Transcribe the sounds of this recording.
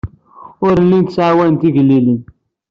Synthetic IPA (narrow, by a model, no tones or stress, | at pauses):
ʊɾlːint̪əsʕawænt̪iʝəlːilin